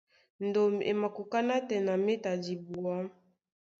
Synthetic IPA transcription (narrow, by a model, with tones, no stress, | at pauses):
ndo˨m˨ḛ˨ma˨ko˨ka˦na˦tɛ˨na˨me˦ta˨di˨bu˨a˦